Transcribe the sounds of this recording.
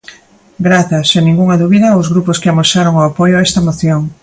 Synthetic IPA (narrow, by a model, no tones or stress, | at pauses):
ɡɾaθɐsenĩŋɡuŋɐðuβiðɐowzɣɾuposkɪamosaɾoŋoapojoaɛst̪ɐmoθjoŋ